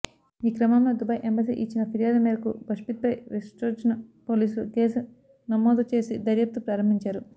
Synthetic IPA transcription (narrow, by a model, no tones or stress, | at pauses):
iːkɾɐmamloːd̪ubɐjʔembɐs̬ḭːʔit͡ʃːinɐpʰiɾijaːd̪ɐmeːɾɐkubɐʂpit̪̚pɐjʋisʈɐɾʃɐnpo̞ːliːsuluke̞ːsu | nɐmːoːd̪ut͡ʃe̞ːsid̪ɐɾjɐp̚t̪upɾaːɾɐmbʱiɲt͡ʃaːɾu